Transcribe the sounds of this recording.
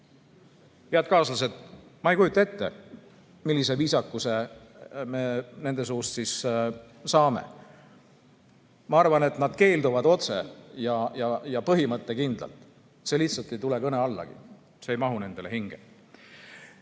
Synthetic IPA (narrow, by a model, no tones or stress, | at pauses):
jæːd̪̚kɑːsɑs̬e̞t̪mɑejkujut̪ːˑɑe̞t̪ːe̞̰ | milːise̞viːsɑkːˑuse | mene̞nd̪e̞s̬uːst̪sis | sɑːmḛ | mɑɑrvɑne̞t̪nɑd̪̥ke̞ːld̪uvɑd̪o̞t̪se̞̰jɑjɑjɑpɤɦimɤt̪ːˑe̞kind̪lɑ̰lt̪ˑ | se̞liht̪sɑlt̪ːˑe̞jt̪ule̞kɤne̞ɑlːɑ̰ɡ̥ḭ | seːjmɑɦune̞nd̪̥e̞le̞ɦiŋɡ̥ḛ